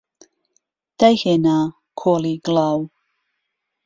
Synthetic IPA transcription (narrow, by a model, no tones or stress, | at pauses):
d̥ajhɛna | kʰɔliɡlaw